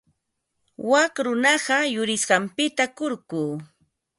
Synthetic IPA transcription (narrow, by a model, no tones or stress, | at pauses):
wakɾʊnɑɢɑjʊɾɪsɢɑmpɪt̪akʊɾɢuː